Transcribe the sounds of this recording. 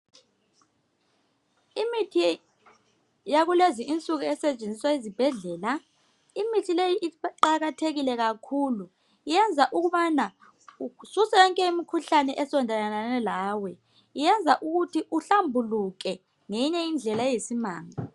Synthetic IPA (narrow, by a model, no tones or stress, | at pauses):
imitʰi | jaɣuleziʔint͡sʼuɣuɛsɛt͡ʃʼend͡zʱiswaizib̥ʱɛɮɛːla | imitʰilejiʔiǃǃaɣatʰeɣilɛɣakʰuːlu | ijɛnd͡zʱaʔuɣuβana | ususɛjɔŋkʼɛimikʰuɬanɛʔɛsɔndʱalananɛlaːwɛ | ijɛnd͡zʱaʔuɣutʰiʔuɬambʱuluk̬ʼɛ | ŋejiɲɛind͡ɮʱɛlajesimaːŋa